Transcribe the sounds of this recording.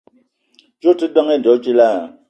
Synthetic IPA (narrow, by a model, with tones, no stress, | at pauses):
t͡ʃu˦ti˦dɔ˦ŋɛ˦ndɔ˨˦t͡ʃi˦la˦˨